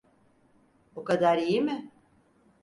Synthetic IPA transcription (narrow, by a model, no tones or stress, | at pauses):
okad̪aɾijimɪ